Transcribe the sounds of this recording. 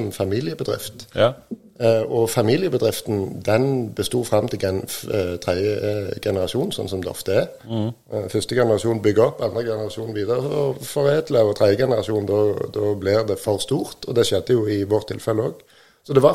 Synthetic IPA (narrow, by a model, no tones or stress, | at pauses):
ɔmfɑmiːlɪəbəd̪ʁɪ̰ft̪ | ɔfɑmiːlɪəbəd̪ʁɪft̪n̩d̪ɛnbəst̪uːfɾɑmːt̪ʰɪlɡɛnt̪ʰʁɛd̪əɡɛnəɾɑʃuːnn̩sɔ̰nːsɔmd̪ɛ̰ɔ̰ft̪əæɾ | fʏst̪əɡɛnəɾɑʃuːnbʏɡːəɔpːɑnd̪ɾəɡɛnəɾɑʃuːn̩ʋiːd̪əʁəɔfɔɾeːd̪ləɔt̪ʰʁɛd̪jəɡɛnəʁɑʃuːnd̪ɔd̪ɔblɪɾd̪ɛfɔʁst̪uːɾt̪ɔd̪ɛʃɛd̪ːəjʊɪʋoːʁt̪ʰːɪ̰lfɛləoːɡ | sɔd̪ɛʋɑ